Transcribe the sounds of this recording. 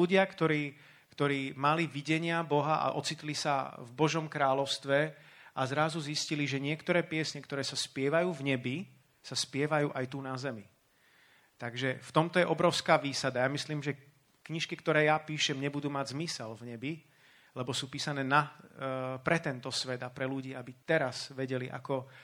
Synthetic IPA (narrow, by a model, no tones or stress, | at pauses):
luɟɪakt̪ɔɾiː | kt̪ɔɾiːmaliʋiɟɛɲɪabɔɦaʔa̰ʔɔt͡sit̪lisavbɔʒɔmkɾaːlɔʊst̪ʋɛʔazɾazuzisciliʒɛɲɪɛkt̪ɔɾɛːpɪɛsɲɛkt̪ɔɾɛːsaspɪɛʋajuːvɲɛbi | saspɪɛʋajuːʔajt̪unazɛmi | t̪aɡʒɛft̪ɔmt̪ɔjɛʔɔbɾɔʊskaːʋiːsad̪ajamisliːmʒɛ | kɲiʃkikt̪ɔɾɛːjapiːʃɛmɲɛbud̪uːmaɟzmisɛlvɲɛbi | lɛbɔsuːpiːsanɛːna | pɾɛt̪ɛnt̪ɔsʋɛd̪apɾɛluɟiːabit̪ɛɾazʋɛɟɛliʔa̰kɔ